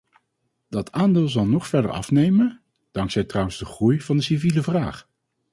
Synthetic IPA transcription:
d̥ɑtʰaːndɪːlˠzɑlˠnɔχfɛɹdə̰ɹɑ̰fnejmən | d̥ɑŋksɛjtrʌwənzdəχrujv̥ɑndəsiviləvraːχ

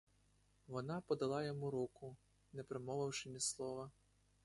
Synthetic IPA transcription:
ʋɔnapɔd̪ɐlˠɑjɔmuɾukʊ | nɛpɾɪmɔʋɐwʂɪmʲislˠɔʋɐ

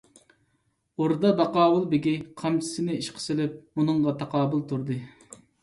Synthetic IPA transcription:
oɾd̪ɑbɑqɑːwʊlˠbɪɡʲiqʰɑmt͡ʃʰɪ̥sɪnɪiʃqʰə̥sɪlɪp̚munɨɴʁɑt̪ʰɑqɑːbʊlˠt̪ʰuɾd̪ɨ

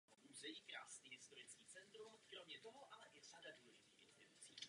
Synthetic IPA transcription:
oʔuːzɛjiːkɾa̰ːsniːɦɪst̪oɾɪt͡skiːt͡sɛnt̪ɾumkɾomɲɛt̪o̞ɦoʔalɛʔɪsadaduːlɛʒɪt̪iːxʔɪ̰nz̥t̪ɪt̪ut͡sḭː

